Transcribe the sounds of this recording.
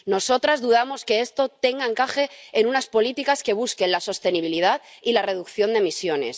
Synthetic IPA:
no̞so̞t̪ɾazðuðamo̞ske̞est̪o̞t̪e̞ŋɡaeŋkaxe̞enunaspo̞lit̪ikaske̞β̞uske̞nlaso̞st̪e̞niβ̞ilið̞aðilare̞ð̞ukθjo̞nd̪e̞misjo̞ne̞s

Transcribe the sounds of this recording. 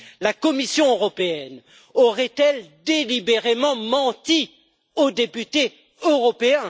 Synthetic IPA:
lakɔmisjɔ̃øʁɔpeɛn | ɔʁɛt̪ɛld̪elibeʁemɑ̃mɑ̃t̪i | od̪epyt̪e | øʁɔpeɛ̃

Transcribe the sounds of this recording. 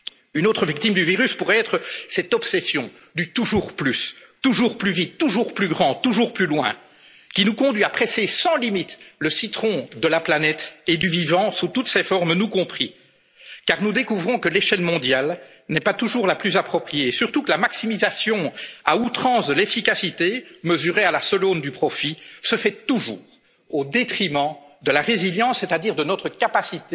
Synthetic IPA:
ynoːt̪χəvik̚t̪imd̪yviʁyspuʁɛɛːt̪χəsɛt̪ɔpsɛsjɔ̃ | d̪yt̪uʒuːʁplys | t̪uʒuːʁplyvit̪ːuʒuːʁplyɡʁɑ̃t̪uʒuːʁplylwɛ̰̃ | kʲinukɔ̃d̪ɥiapχɛsesɑ̃limit̪ləsit̪χɔ̃d̪əlaplanɛt̪ed̪yvivɑ̃sut̪ut̪sɛfɔʁmnukɔ̃pχi | kaʁnud̪ekuvʁɔ̃kəleʃɛlmɔ̃d̪jal | nɛpat̪uʒuːʁlaplyzapχɔpχijesyʁt̪ukəlamaksimizasjɔ̃a̰ut̪χɑ̃sd̪əlefikasit̪eməzyʁealasɔlond̪ypχɔfisəfɛt̪uʒṵːʁ | od̪et̪χimɑ̃d̪əlaʁeziljɑ̃ssːet̪ad̪iːʁd̪ənɔt̪χəkapasit̪e

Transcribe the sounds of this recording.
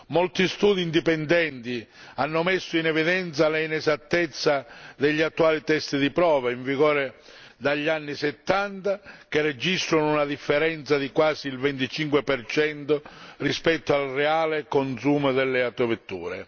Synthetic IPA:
mɔlt̪ist̪uːd̪iːnd̪ipɛnd̪ɛnt̪ianːʊmɛsːʊinɛviðɛnt̪salɛinɛzat̪ːɛt̪sːad̪ɛʎːiat̪ːuaːlit̪ɛst̪id̪ipɾɔːvaiɱviɣɔːɾe | d̪aʎːanːisɛt̪ːant̪ak̟ered͡ʒist̪ɾʊnʊunaðifːɛɾɛnt̪saðikwaːsiːlvɛnt̪it͡ʃiŋkwepɛrt͡ʃɛnt̪ʊrispɛt̪ːoalrɛaːlɪkonsuːmʊd̪ɛlːɛat̪ovet̪ːṵːɾɛ̰

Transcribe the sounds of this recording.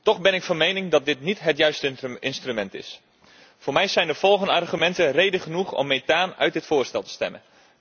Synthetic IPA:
tɔχbɛnɪkfɑnmejnɪŋdɑt̚dɪtnitɦətjœɥstəɪnstrymɛntɪ̰s | fʊːɹmɛjzɛjndəv̥ɔlˠχəndəɑrχymɛntərejdəχənuχɔ̰mːejtaːnœ̰ɥtdɪtfʊːɹstɛlˠtə̥stɛ̰mə̰n

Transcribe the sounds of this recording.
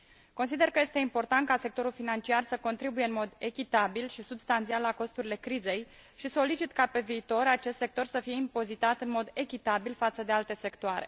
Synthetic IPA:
ko̞nsid̪erkəje̞st̪e̞impo̞rt̪ant̪̚kase̞k̚t̪o̞ɾulfinant͡ʃiarsəko̞nt̪ɾibuje̞ɨnmo̞d̪e̞kʲit̪abilʃisubst̪ant̪sialːako̞st̪uɾile̞kɾize̞jʃiso̞lit͡ʃit̪kape̞viːt̪o̞ɾat͡ʃe̞st̪sek̚t̪o̞rsəfije̞impo̞zit̪at̪ɨnmo̞d̪e̞kʲit̪abilfat̪səd̪e̞alt̪e̞se̞kt̪oaɾe̞̰

